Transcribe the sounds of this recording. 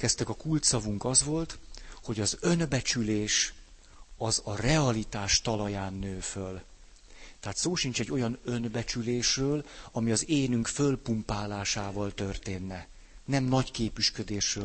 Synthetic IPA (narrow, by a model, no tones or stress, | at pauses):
kɛst̪ɛkɒkult̪sɒvuŋkɒzʋo̞lt̪ho̞ɟɒzø̞nbɛt͡ʃyleːʃ | ɒzɒrɛɒlit̪aːʃt̪ɒlɒjaːnːøːføl | t̪ɛɦaːt̪soːʃint͡ʃɛɟːo̞jɒnø̞nbɛt͡ʃyleːʃrøːlɒmiɒzeːnyŋkfø̞lpumpaːlaːʃaːvɒlt̪ø̞rt̪eːnːɛ | nɛmnɒckeːpyʃkød̪eːʃrøː